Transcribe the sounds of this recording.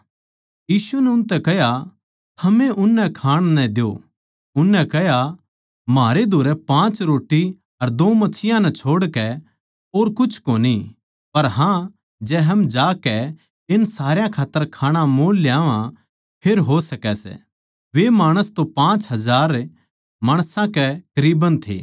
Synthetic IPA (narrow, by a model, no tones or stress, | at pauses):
jiːsunɛʊnt̪ɛkɐɦja | t̪ʰɐmẽʔʊnːɛkʰãːɽ̃nɛ̃d̪jo̰ | ʊnːɛkɛɦja | maːɾed̪ʱoːɾɛpãːt͡ʃɾoːʈi | ɐɾd̪oːmɐsʰɪjãnɛt͡ʃʰoːɽkɛ | oːɾkʊt͡ʃʰkoːni | pɐɾɦã | d͡ʒɛːɦɐmd͡ʒaːkɛ | ɪnsaːɾjãkʰaːt̪ːəɾkʰaːɽ̃ãmoːlːjaːʋã | pʰeɾɦosɐkɛsɛ̰ | ʋemaːɽ̃əst̪opãːt͡ʃɦɐzaːɾ | maːɽ̃sãkɛkɐɾiːbənt̪ʰḛː